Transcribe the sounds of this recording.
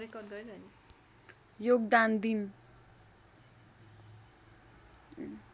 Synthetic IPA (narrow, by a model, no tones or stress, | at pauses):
ɾekʌɾɡʌɾiɾʌni | joɡd̪and̪in